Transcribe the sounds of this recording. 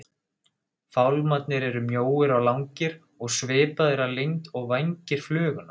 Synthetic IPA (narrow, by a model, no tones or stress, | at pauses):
fawlmat̪̚nɪɾɛɾʏmjoːwɪɾawlawŋcɪɾ̥ | ɔɣsvɪːpaðɪɾalejŋt̪ɔɣvajɲcɪɾ̥flœːɣʏna